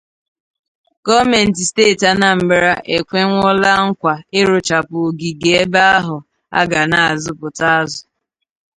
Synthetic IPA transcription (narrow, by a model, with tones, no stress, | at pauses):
ɡ̥ɔ˦me˨n̩˨t̬i˨steː˦˨ta˨na˨m̩˨bɪ˦ɾa˦ʔe˨kʷe˦ŋʷʊ˦la˦ŋ̩˦kʷa˨e˦ɾʊ˨t͡ʃa˨pʊ˨ɡi˨ɡe˨˦e˦ba˦a˦ɦʊ˨ | a̰˦ɡa˨na˨a˨zʊ˦pʊ˨ta˦a˦zʊ˨